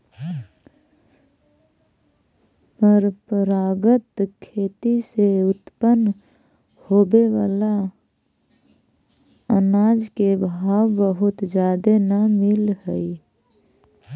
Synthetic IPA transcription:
pəɾpɾaːɡət̪kʰeːt̪iseʊt̪pən | hoːbeʋaːla | ənaːd͡ʒkebʱaːwbəɦʊt̪d͡ʒjaːd̪enəmɪlhəi

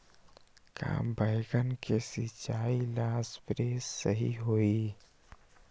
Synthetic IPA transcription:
ka̰ːbʱəɪɡənkesɪt͡ʃaːilaːspɾeːsːəɦḭɦoːi

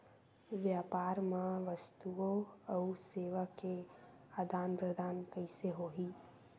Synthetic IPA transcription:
ʋjaːpaːɾmãʋəst̪uoəuseːʋake | aːd̪ʱaːnpɾəd̪ʱaːnkəɪseɦoːɦiː

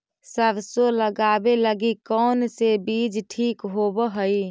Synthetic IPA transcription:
səbsoləɡaːbeləɡikɔːnsebiːd͡ʒʈʰiːkɦoːbɦəi

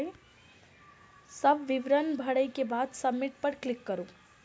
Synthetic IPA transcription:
e | sɐbʋɪʋɾənbʱɐɽəikebaːd̪sɐbmːɪʈ̚pɐɾklɪkːɐɾoː

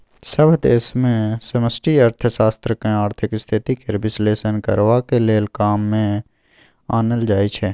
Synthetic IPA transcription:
səbʱd̪eːsmẽsəməsʈiːəɾt̪ʰəsaːst̪ɾəkẽaːɾt̪ʰɪkst̪ʰɪt̪ikeɾbɪsleːsənkə̰ɾʋaːkeleːlkaːmːẽ | aːnəld͡ʒaːit͡ʃʰɛː

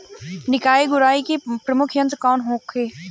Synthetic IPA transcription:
nɪkaːiɡʊɾaːikepɾɐmʊkʰjɐ̃nt̪kɔːnɦõːkʰeː

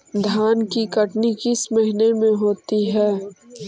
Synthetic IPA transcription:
d̪ʱaːnkikɐʈnikɪsmɐɦɪnemẽɦoːt̪iɦɛː

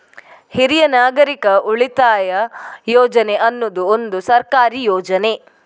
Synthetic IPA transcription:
hiɾijɐnaːɡɐɾikɐʔuɭit̪aːjɐjɔːd͡ʒɐneʔɐnːud̪uond̪usɐɾkaːɾiːjɔːd͡ʒɐne

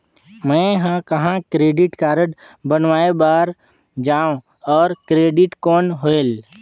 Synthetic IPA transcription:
mɛ̃ɦə̃kɐɦãkɾeːɖɪʈkaːɾəʈ | bənʋaːebaːɾ | d͡ʒaːõ | ɔːɾkɾeːɖɪʈkɔːnɦoːel

